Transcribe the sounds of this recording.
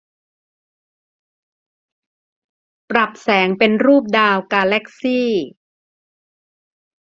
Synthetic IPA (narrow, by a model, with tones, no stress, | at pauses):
pɾa˨˩p̚sɛː˩˦ŋpe˧nɾuː˥˩p̚daː˧wkaː˧lɛ˦˥k̚siː˥˩